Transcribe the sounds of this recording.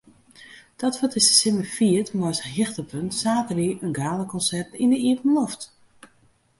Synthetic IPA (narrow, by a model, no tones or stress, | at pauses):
d̥ɔtʋɔtɪsə̥sɪməfiətmɔsəɦɪxtəpʰøntsaːtəriʔənɡaːlˠəkʰɔnsɛrtindəiətn̩lɔft